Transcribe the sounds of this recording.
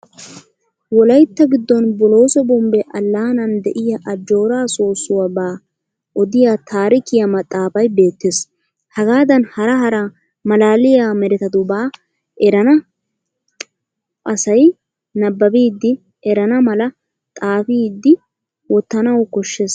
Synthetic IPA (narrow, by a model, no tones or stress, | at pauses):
wɔlɐjt̪ːɐɡɪd̪ːɔnbɔlo̞ːsɔbɔmbɛʔɐlːaːnɐnd̪ɛʔɪjɐʔɐd͡ʒːo̞ːɾaːsoːsːʊwɐbaː | ʔɔd̪ɪjat̪ʰaːɾɪkɪjɐmɐt̪ʼːaːfɐjbe̞ːt̪ːes | hɐɡaːd̪ɐnhɐɾɐɦɐɾɐ | mɐlaːlɪjaːmɛɾɛt̪ɐd̪ʊbaː | ʔɛɾɐnɐ | ʔɐsɐj | nɐbːɐbiːd̪ːɪ | ɛɾɐnɐmɐlɐ | t̪ʼaːfiːd̪ːɪ | wɔt̪ːɐnɐwkɔʃːes